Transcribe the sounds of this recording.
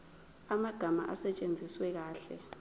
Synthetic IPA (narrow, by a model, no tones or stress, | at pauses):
amaɡ̥ʱama̰ʔasɛt͡ʃʼend͡zʱiswɛk̬aːɬɛ̰